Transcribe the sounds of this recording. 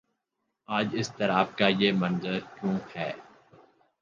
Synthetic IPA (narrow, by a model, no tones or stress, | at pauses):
aːd͡ʒɪst̪ɐɾaːb̚kajeːmɐ̃nzəɾkjũːhɛː